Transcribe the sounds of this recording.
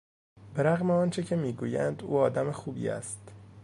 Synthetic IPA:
beɾæɣmeɒːnt͡ʃʰecʰe̞miːɡuːjænd̪ṵːɒːd̪æmexuːbḭːæ̰st̪

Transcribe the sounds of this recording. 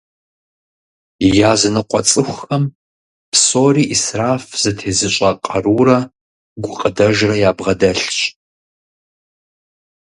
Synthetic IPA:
jaːzɨnɨqʷɔt͡sʼɨxʷɐm | pʰsoːriːʔisraːfz̥ɨtʰeːzɨɕʼɐqʼɐruːrɐ | ɡʷʊqʼədɐʒrɐjaːbʁɐdɐɬɕʼ

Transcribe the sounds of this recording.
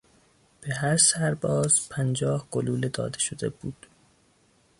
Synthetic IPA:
b̥eɦæɾsæɾbɒːzpʰænd͡ʒɒːhɡoluːled̪ɒ̰ːd̪e̞ʃod̪e̞̰buːd̪̥

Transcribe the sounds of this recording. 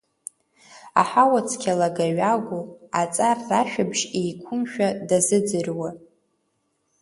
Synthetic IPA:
a̰ħawat͡sʰkʲʰalaɡaɥaɡʷuat͡sʼarːaʃᶣabʒejkʷʰʊmʃᶣadazɨd͡zɨrwa

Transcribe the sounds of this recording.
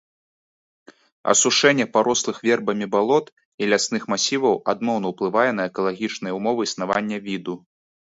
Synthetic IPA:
ɐ̰suʂɛnʲːɛpaɾɔslˠɨxvʲɛrbɐmʲibalˠɔt̪ | ilʲasnɨxmasʲivɐwad̪nɔwnɐwplˠɨvajɛn̪ɐɛkɐlˠaɣʲit͡ʂnɨjɐumɔvɨisn̪avanʲːɐvʲid̪u

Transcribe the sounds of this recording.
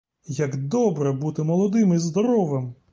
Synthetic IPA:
jɐɡd̪ɔbɾɛbut̪ɪmɔlˠɔd̪ɪmizd̪ɔɾɔʋɪm

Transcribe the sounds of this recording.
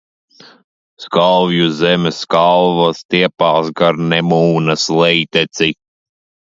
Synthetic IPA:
skalˠvjuzɛmʲɛskalˠvast̪iɛpaːsɡaɾnɛmuːnɐslɛjt̪et̪si

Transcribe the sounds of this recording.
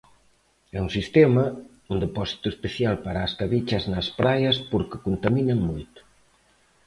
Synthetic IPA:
ɛuŋsist̪ɛmɐ | und̪epɔsi̥t̪uespeθjalpaɾaːskaβit͡ʃɐznɐspɾajɐspoɾkɪkont̪ɐminɐŋmojt̪ʊ̥

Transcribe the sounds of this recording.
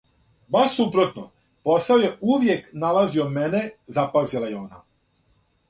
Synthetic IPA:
basupɾo̞t̪no | po̞saoje̞uʋje̞knalazio̞menezapazilajeo̞ːna̰

